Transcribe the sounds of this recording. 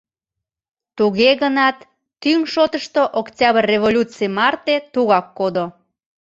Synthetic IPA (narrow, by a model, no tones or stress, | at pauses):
t̪uɣeɣənɑt̪ː | yŋʃot̪əʃt̪oʔoktʲɑβərːevolʲut͡sɨijmɑrt̪et̪uɣɑkːod̪o